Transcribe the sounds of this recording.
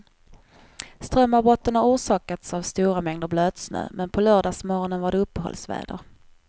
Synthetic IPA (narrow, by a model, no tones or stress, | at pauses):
st̪ɾœmːabɔt̪ːənaɾuːʂɑːkat̪savst̪uːɾamɛŋd̪əɾbløːd̪snø̰ːmɛnpʰɔlœːɖɑːsmɔɾɔnənvaɖɛɵpːɛɦɔ̰lsvæ̰ːd̪ə̰ɾ